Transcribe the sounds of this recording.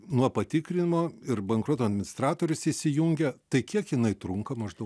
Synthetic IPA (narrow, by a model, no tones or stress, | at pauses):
nuɔpɐt̪ʲɪkɾʲɪnʲɪmoːɪɾbʲɛŋkɾut̪oːɐd̪ʲmʲɪnʲɪst̪ɾɑːt̪oːɾʲʊsɪsʲɪjuŋʲɡʲɛt̪ɐɪkʲiɛkjɪnɐɪt̪ɾʊŋkɐmɐʒd̪ɐʊk